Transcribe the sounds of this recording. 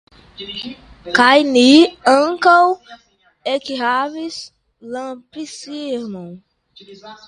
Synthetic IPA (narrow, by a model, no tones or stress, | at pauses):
kajniɐ̃ŋkow | ekiɦavis | lɐ̃pisiɾmõw̃